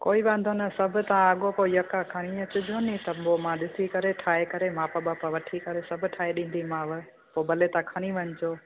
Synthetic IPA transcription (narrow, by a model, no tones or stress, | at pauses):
koːiʋãːn̆d̪ʱonɐsɐbʱʊt̪aãːɠopoːijɐkakʰaɽ̃iɐt͡ɕʊd͡ʒʱonĩt̪ɐomãɗɪsikɐɾeʈʰaːekɐɾemãːpɐbaːpɐʋɐʈʰikɐɾesɐbʱʊʈʰaːeɗĩːn̆d̪ʱimãːʋɪ | poːbɐlet̪ãːkʰɐɽ̃iʋɐɲɪd͡ʑoː